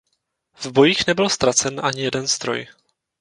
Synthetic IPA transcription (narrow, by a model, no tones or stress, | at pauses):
vbo̞jiːxnɛbɪlst̪ɾat͡sɛnʔaɲɪjɛdɛnst̪ɾo̞̰j